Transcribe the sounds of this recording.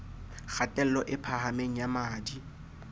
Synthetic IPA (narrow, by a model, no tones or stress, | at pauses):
k͡xʰatʼɛl̩lɔʔɪpʰahameŋ̩jamaːdi